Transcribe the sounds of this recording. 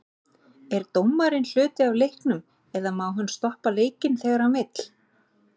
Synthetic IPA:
ɛɾt̪owmːaɾɪnl̥ʏːt̪ɪavlejhknʏm | ɛðamawɦʏnːst̪ɔhpaleːjcɪnθɛɣaɾawmɪt̪l̥

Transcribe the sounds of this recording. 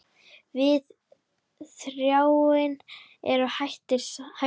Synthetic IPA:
vɪð | θɾjaːwɪn | ɛɾʏhajht̪ɪsha

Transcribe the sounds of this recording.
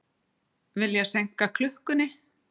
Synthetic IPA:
vɪljɛɣsejŋ̥kakʰlʏhkʏnɪ

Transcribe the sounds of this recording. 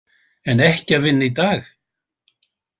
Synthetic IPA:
ɛnɛhcɪavɪnːɪit̪aːx

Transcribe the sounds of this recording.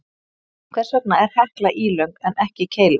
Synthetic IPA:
kʰvɛ̥sœk̚naɛɾ̥hɛhklaʔiːlœɥŋkɛnɛhcɪcʰeːjlɪ

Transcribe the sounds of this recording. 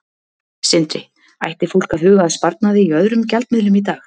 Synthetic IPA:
sɪnt̪ɾɪ | a̰jht̪ɪful̥kaðhʏːɣaðspaɾt̪̚naðɪiœðɾʏmcalt̪mɪðlʏmit̪aːx

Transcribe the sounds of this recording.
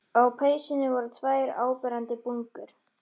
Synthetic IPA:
awpʰeːjsɪnɪvɔɾt̪ʰvaːjɾa̰ːwpɛɾant̪ɪpuŋkʏɾ̥

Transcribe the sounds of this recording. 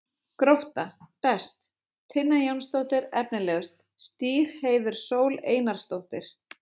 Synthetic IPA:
kɾowht̪apɛst̪ | t̪ʰːɪnːajownst̪owht̪ɪɾɛp̚nɪlɛːɣʏst̪ | st̪iːɾ̥heːjðʏɾ̥soːwleːjnaɾ̥st̪owht̪ɪɾ̥

